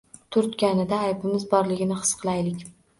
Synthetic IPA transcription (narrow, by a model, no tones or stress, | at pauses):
t̪ʰʊɾt̪kʲanɪd̪aːjbɪmɪzbɒɾlɪɡʲɪnɪχɨ̥sqʰɨlˠajlɪkʲ